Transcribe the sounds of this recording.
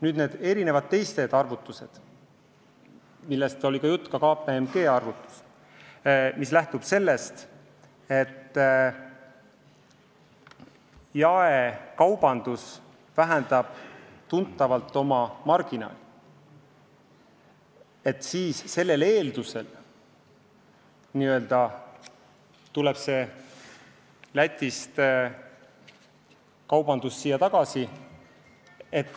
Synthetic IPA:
nyːd̪ne̞ːd̪̥e̞ɾine̞vɑd̪̥̚t̪e̞jst̪e̞d̪ɑrvut̪ːˑuse̞d̪̥ | milːe̞st̪o̞lʲikɑjut̪ːˑkɑkɑːpeemɡ̥e̞ːɑrvut̪ːˑu̥s | mislæht̪ub̥se̞lːe̞st̪ | e̞t̪ː | jɑekɑwb̥ɑnd̪̥us | væɦænd̪̥ɑb̥t̪unt̪ːˑɑvɑlt̪ːˑo̞mɑmɑrɡ̥inɑ̰ːlʲi | e̞t̪ːˑsiːsse̞lːe̞le̞ːld̪use̞l | niːø̞ld̪̥ɑ | t̪ule̞b̥se̞ | læt̪ʲˑːist̪ | kɑwb̥ɑnd̪̥usːiːjːɑt̪ɑɡ̥ɑsi | e̞t̪ːˑ

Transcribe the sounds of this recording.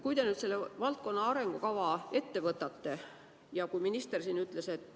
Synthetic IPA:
kujd̪e̞nyːd̪se̞lːevɑlt̪̚ko̞nːɑɑɾe̞ŋɡ̥ukɑvɑe̞t̪ːe̞vɤt̪ːˑɑt̪ːe̞ | jɑkujminist̪e̞rsiːnyt̪ˑle̞se̞t̪ːˑ

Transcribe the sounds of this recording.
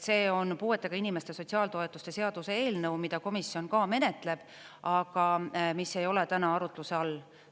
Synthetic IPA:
se̞ːo̞npuːe̞t̪ːˑeɡ̥ɑinime̞st̪e̞sotʲsiɑːlt̪o̞e̞t̪ːˑust̪e̞se̞ɑd̪̥use̞e̞ːlnɤwmid̪̥ɑko̞misːio̞nkɑːme̞ne̞t̪le̞b̥ | ɑɡ̥ɑmisːe̞jo̞let̪ænɑɑɾut̪ːˑluse̞ɑlː

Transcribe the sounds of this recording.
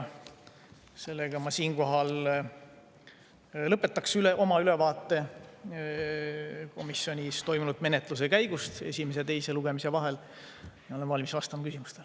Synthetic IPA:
se̞lːeɡ̥ɑmɑsiːnko̞ɦɑl | ɤpːˑe̞t̪ːˑɑksyleʔo̞mɑylevɑːt̪ːˑe̞ | ko̞misjo̞nʲist̪o̞jmunud̪̥me̞net̪ˑluse̞kæjɡust̪e̞̰sʲimes̬et̪e̞jse̞luɡ̥e̞mise̞vɑɦe̞l | jɑolenvɑlʲmisvɑst̪ɑmɑkysimust̪e̞l

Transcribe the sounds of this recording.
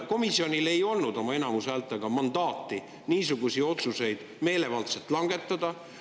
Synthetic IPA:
ko̞misːio̞nʲile̞jo̞lnud̪̥o̞mɑe̞nɑmusæːlt̪ːˑeɡ̥ɑmɑnd̪̥ɑːt̪ːi | niːsuɡ̥usio̞t̪suse̞jd̪̥ | me̞ːle̞vɑlt̪set̪ːˑlɑŋɡ̥e̞t̪ːˑɑd̪̥ɑ

